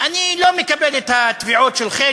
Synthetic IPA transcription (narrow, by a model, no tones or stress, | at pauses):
anilo̞mekabelet̪hat̪viʕot̪ʃelχe